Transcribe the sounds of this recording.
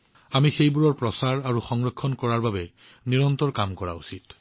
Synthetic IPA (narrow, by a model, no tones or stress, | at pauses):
amixejbuɹɔɹpɹɔsaɹaɹuxɔŋɹɔkʰːɔnkɔɹaɹbabɛ | niɹɔntɔɹkamkɔɹa̰ṵsit